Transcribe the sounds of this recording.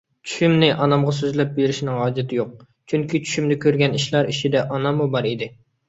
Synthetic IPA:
t͡ʃʰy̥ʃymnɪʔɑnɑmʁɑsøzlɛp̚beɾɪʃinɪŋɑːd͡ʒɪt̪ʰɪjoq̚ | t͡ʃʰyŋkʲit͡ʃʰy̥ʃymd̪ɪkʲøɾɡʲɛniʃlˠɑɾiʃʰid̪ɛʔɑnɑmːubɑɾid̪ɪ

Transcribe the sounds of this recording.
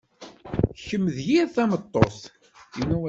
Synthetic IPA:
çəmːəðjiɾθæmət̪ˤːos | inːuæ

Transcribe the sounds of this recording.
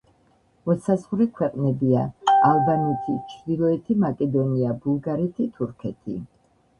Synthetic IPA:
mɔt̪sazʁɾikʰwɛqʼnɛbiaalˠbanɛt̪ʰit͡ʃʰɾd̪ilˠɔɛt̪ʰimakʼɛd̪ɔniabulˠɡaɾɛt̪ʰit̪ʰuɾkʰɛt̪ʰi

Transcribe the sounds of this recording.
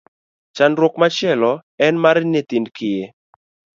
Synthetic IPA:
t͡ʃanɾwɔkmat͡ʃɪɛlɔɛnmaɾnet̪indkɪje

